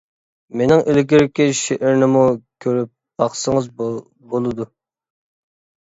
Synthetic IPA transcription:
menɪŋʔelɪkʲiɾɪkʲɪʃeʔɪɾnɪmukʲʰøɾyp̚b̥ɑχsəŋəz | bolˠɨd̪u

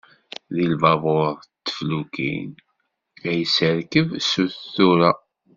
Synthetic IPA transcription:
ðilvɑvˤoɾˤt̪ːə̥flukḭn | æjəsəɾkəvsuθθuɾa

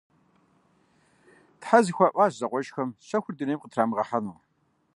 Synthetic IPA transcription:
tħazɨxʷaːʔʷaːʒzɐqʷɔʒxɐmɕɐxʷʊrdɨneːjmqətʰraːmʁɐħanuː

